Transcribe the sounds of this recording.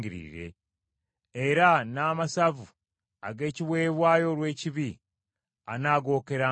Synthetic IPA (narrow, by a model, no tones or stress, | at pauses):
ɡiɾḭɾe̞̰ | eɾanaːmasavu | a̰ɡe̞ːciβwe̞ːβwaːjo̞ɾwe̞ːciβi | anaːɡo̞ːke̞ɾa